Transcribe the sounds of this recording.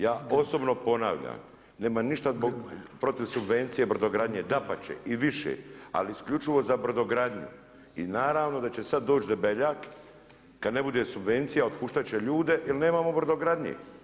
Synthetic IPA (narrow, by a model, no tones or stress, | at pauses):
jaːo̞so̞bno̞po̞na̰ʋʎa̰m | ne̞ːmaniʃt̪azboɡpɾo̞t̪iʋsubʋent̪sijebr̩zoɡɾad̪ɲed̪apat͡ɕḛʔiʋiʃḛa̰liiskʎut͡ʃiʋo̞zabr̩d̪oɡɾad̪ɲṵ | ḭnaːɾaːʋno̞d̪at͡ɕe̞sad̪ːo̞ːt͡ʃd̪obeʎaːkː | ad̪ne̞bud̪e̞subʋe̞nt̪sijaot̪puʃt̪at͡ɕe̞ʎuːd̪e̞ʔilne̞ːmaːmo̞br̩d̪oɡɾad̪ɲḛ